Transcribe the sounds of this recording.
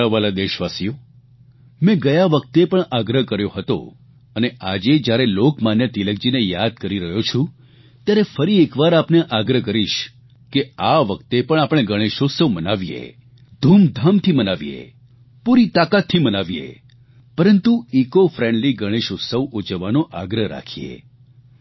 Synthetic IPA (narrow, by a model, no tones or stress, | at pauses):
əʋalad̪eʃʋasijo | mɛ̃ɡəjaʋək̚t̪epəɳʔaɡɾəɦkəɾjoɦət̪o̰ | əneʔad͡ʒed͡ʒjaɾelokmanjət̪ilək̚d͡ʒinejad̪̚kəɾiɾəɦjot͡ʃʰũ | t̪jaɾefəɾiekʋaɾapneʔaɡɾəɦkəɾiʃ | keaʋək̚t̪epəɳ̃apɽ̃eɡəɽ̃eʃosəʋmənaʋijḛ | d̪ʱumd̪ʱamt̪ʰimənaʋiḛ | puɾit̪akat̪ʰːimənaʋiḛ | pəɾənt̪uikofɾɛ̃ɳɖliɡəɽ̃eʃosəʋʔud͡ʒəʋanõʔaɡɾəɦɾa̰kʰiḛ